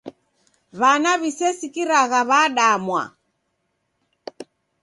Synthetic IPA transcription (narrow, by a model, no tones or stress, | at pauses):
βanaβisɛsikiɾaɣaβaɗamwa̰